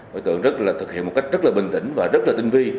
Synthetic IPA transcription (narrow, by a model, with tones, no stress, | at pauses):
əː˨˦jt̪ɨ̰˧˨əŋzə˦˥t̚laː˨˩t̪ʰɨ˨˩k̚ḭ˧əmo˨˩ka˦˥k̟̚zə˦˥t̚laː˨˩ɓï˨˩ŋ̟t̪ï˧˥˦ŋ̟vaː˨˩zə˦˥t̚laː˨˩t̪i˧ŋ̟vi˧